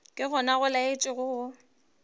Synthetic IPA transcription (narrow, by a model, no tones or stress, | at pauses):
kʼɪɣʊnaɣʊlaɪt͡ʃʼɪɣʊɣʊ